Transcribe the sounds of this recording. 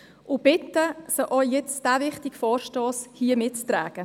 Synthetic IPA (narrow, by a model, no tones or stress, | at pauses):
ʔʊb̥ɪtːəsəʔɔjɛt͡sd̥ævɪχtikfɔːɾʃtoːshiəmɪtt͡st̪ɾæ̰ːɡ̥ə